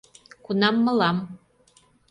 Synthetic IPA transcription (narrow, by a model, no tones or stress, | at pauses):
kunɑmːɤ̆lɑm